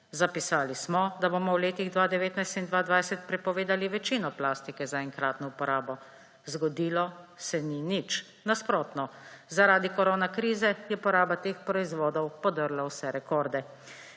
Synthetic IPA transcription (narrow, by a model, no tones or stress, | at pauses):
zapisaːlismɔd̪abomɔwleːt̪iɣd̪ʋaːd̪ɛʋeːt̪najst̪ind̪ʋaːd̪ʋajsɛt̪̚pɾɛpɔʋeːd̪aliʋɛt͡ʃiːnɔplaːst̪ikɛzaɛŋkɾaːt̪nɔupɔɾaːbɔ | zɡɔd̪iːlɔsɛninit͡ʃ | naspɾoːt̪nɔzaɾaːd̪ikɔɾoːnakɾiːzɛjɛpɔɾaːbat̪eːxpɾɔizʋoːd̪ɔwpɔd̪əɾlawsɛɾɛkɔːɾd̪ɛ